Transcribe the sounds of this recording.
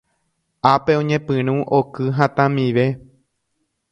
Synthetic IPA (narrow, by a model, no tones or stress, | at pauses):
ape̞õɲẽpɨ̃ɾ̃ũʔokɨɦãt̪ãmiʋe̞